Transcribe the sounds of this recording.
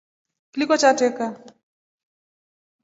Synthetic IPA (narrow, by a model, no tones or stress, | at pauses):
kilikɔt͡ʃatɛka